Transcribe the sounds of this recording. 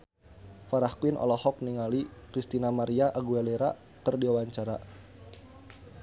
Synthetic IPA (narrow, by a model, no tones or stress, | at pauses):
faɾahkuɪnʔɔ̰lɔhɔk̚niŋalikɾist̪inamaɾiaʔaɡualeɾa | kərdiawaɲt͡ʃaɾa